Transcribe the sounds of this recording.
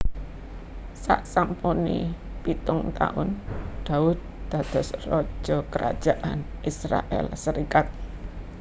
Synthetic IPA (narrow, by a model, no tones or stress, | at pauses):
sa̰ʔsampuni | pit̪ʊŋt̪a̰ʔʊnd̪̥aʊd̪̚d̪̥a̤d̪̥ɔ̤srɔ̥d͡ʒʒ̥ɔkəɾa̰d̥ʒ̥aʔanʔisɾa̰ʔɛ̰lsəɾikat̪̚